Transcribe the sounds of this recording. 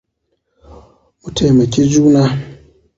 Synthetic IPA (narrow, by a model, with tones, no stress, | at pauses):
mu˨tʰe˨me˨kʲe˦d͡ʒuː˦na˦